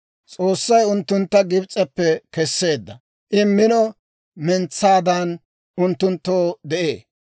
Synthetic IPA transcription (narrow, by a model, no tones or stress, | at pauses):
t͡sʼoːsːɐjʊnt̪ːʊnt̪ːɐɡɪbt͡sʼɛpːɛkɛsːe̞ːd̪ːɐ̰ | ʔɪmːɪnɔ | mɛnt͡sːaːd̪ɐn | ʊnt̪ːʊnt̪ːoːd̪ɛʔḛː